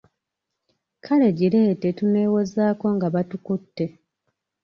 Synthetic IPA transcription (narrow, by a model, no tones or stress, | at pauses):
kʰale̞ɟiɾe̞ːte̞tune̞ːwo̞zaːko̞ŋɡaβatukutːe̞